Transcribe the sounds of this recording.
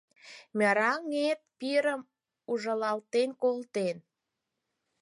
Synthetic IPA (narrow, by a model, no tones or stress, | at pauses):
mʲəɾɑŋet̪̚piɾəm | uʒəlɑlt̪enkolt̪en